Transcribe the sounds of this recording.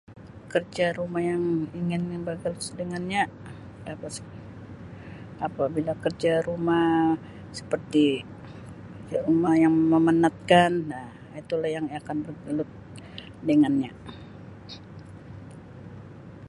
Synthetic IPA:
kərd͡ʒaɾumahjaŋiŋɪnbaɡəlʊt̪dəŋanɲa | apas | apabilakərd͡ʒaɾumah | sə̥pərt̪i | kərd͡ʒaɾumajaŋməmənat̪̚kana | it̪ulahjaŋakanbərɡəlʊt̪̚ | dəŋanɲa

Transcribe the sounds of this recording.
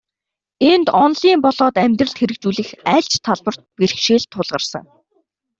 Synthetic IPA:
ent̪ɔnɮiːmpɔɮɔːt̪æmʲt̪rə̆ɮt̪xeɾɘ̆k̚t͡ɕuːɮɘ̆xæːɬt͡ɕt̪ʰaɮpə̆r̥t̪̚perxʃiːɮt̪ʰːʊɮʁə̆rsə̰̆ŋ

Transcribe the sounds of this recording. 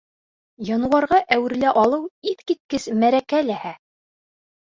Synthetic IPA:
jɑnɤ̆wɑɾʁɑʔæwɘ̆ɾlæʔɑlˠɤwiθkit̪̚kɘsmæɾækælæhæ

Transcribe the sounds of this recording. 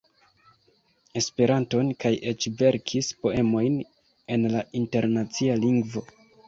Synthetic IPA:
e̞spe̞ɾanto̞nkaje̞t͡ʃve̞ɾkʰispo̞e̞mo̞jn | e̞nlainte̞ɾnat͡sialiŋɡvo̞

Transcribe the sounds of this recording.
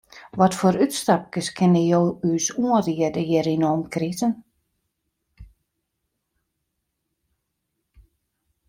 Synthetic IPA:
ʋɔtfoːɾytstap̚kəskʰɪnəjoːyːsuəriədəjɪɾinɔːmkʰritən

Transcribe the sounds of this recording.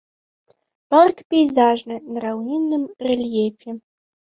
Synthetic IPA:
parkʰpʰejzaːʒnɨnrawnʲinːɨmrelʲjefʰi

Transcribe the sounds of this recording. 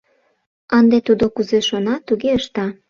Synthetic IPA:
ɑnd̪et̪ud̪okuzeʃonɑt̪uɣeəʃt̪ɑ

